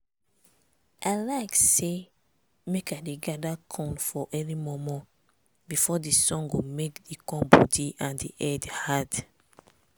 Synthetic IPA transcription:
ʔaɪlaɪkse | mekadeɡadakʰɔ̃nfɔʔɛnimɔmɔ | bifɔdisɔ̃ŋɡomekdikɔ̃mbɔ̰diʔãndḭʔɛdhad

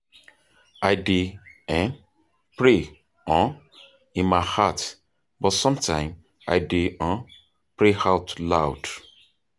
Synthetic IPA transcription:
aɪdeɛ̃n | pɹe | ɔ̃ | ĩnmaɪhat | bɔtsɔ̃mtʰã̰ɪ̃m | a̰ɪdeɔ̃ | pɹehatlawd̥

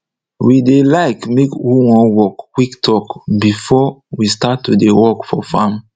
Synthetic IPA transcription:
widelaɪkmekwuwɔ̃nwɔkkwiktʰɔkbifɔwistatwidewɔkfɔfãm

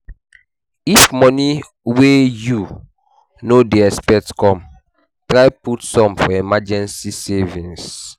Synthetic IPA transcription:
ifmɔni | weju | nodeɛspɛtskɔ̃m | tɾaɪputsɔ̃mfɔɛmad͡ʒɛ̃nsisɛvĩns

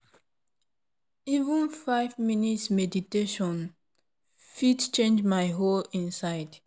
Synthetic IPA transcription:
ivə̃nfaɪvminitsmɛditeʃɔ̃n | fitt͡ʃẽnd͡ʒmaɪɦolĩnsaɪd̥

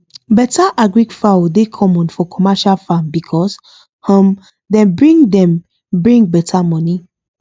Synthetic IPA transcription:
bɛtʰaʔaɡɹiɡfaodekʰɔmɔ̃nfɔkʰɔmaʃalfãmbikʰɔs | hɔ̃m | dɛ̃nbɹĩŋdɛ̃m | bɹĩŋbɛtʰamɔni

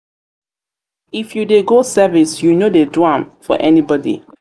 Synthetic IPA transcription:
ifjudeɡosɛvisjunodedwãmfɔ̰ʔɛnibɔdḭ

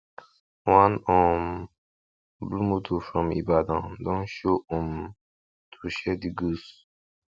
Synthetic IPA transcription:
wãnɔ̃m | blumut̪ʰufɹɔ̃mḭbad̪ãd̪ɔ̃nʃoɔ̃m | tʰuʃɛd̪iɡus

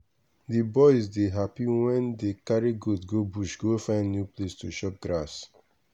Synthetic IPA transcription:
dibɔɪzdeɦapiwɛ̃ndekaɹiɡudɡobuʃɡofãɪ̃ndnjuplestuʃɔp̚ɡɹas

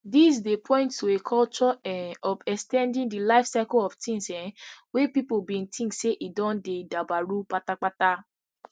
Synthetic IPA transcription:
dis̬depʰɔ̃j̃nttuekʰɔlt͡ʃɔɛnɔfɛkstɛ̃ndĩndilajfsaɪkoɔftĩnsɛ̃wepipobĩntʰĩseʔidɔ̃ndedabaɾuk͡patak͡pata

